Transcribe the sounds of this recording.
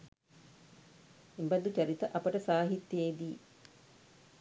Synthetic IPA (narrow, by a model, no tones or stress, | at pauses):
imbɐd̪ut͡ʃɐɾit̪əʔɐpəʈəsaːɦit̪jeːd̪iː